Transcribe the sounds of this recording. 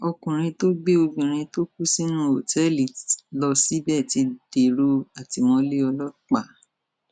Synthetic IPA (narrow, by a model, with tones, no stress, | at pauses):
ɔ˧kũ˨ɾ̃ĩ˧to˦ɡ͡be˦o˧ɡũ˨ɾ̃ĩ˧to˦k̚u˦si˦nũ˦o˨tɛ˦li˨lɔ˧si˦bɛ˦˨ti˧d̥e˨ɾo˧a˨ti˧mɔ̃˧le˦ɔ˧lɔ˦k͡pa˦˨